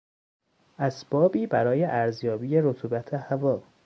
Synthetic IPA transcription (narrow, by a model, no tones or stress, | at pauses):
ʔæsb̥ɒːbiːbæɾɒːjeʔæɾzjɒːbiːjeɾot̪ʰuːbæt̪ʰehævɒː